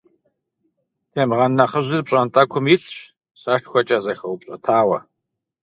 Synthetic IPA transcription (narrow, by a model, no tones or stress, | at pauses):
tʰeːmʁɐnːɐχəʑɨrpɕʼɐntʼɐkʷʰʊmjiɬɕ | sɐʃʈ͡ʂxʷɔt͡ʃʼɐzɐxɐwʊpɕʼɐ̰tʰaːwɐ